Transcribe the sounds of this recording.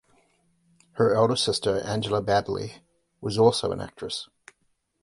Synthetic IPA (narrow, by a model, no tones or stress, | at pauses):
hə˞ɛlˠdə˞sɪstə˞ʔæ̃nd͡ʒl̩ˠəbædˡlˠḭ | wʌzɔlˠsoʊə̰̃næ̰k̚tɹ̥ɨs